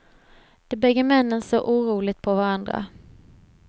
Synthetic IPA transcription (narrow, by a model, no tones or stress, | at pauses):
d̪̥ɛbɛɡːəmɛnːənsɔʔuːɾuːlɪt̪̚pʰɔvaɾand̪ɾa̰